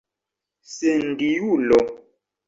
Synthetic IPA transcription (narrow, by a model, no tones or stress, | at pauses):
sen̩dijulɔ